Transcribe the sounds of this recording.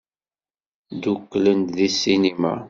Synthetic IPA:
d̪ukːlənt̪ðisːinima̰

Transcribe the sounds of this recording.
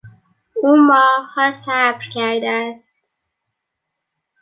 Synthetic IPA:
uːmɒːhɒːsæbɾcʰæɾd̪ææst̪

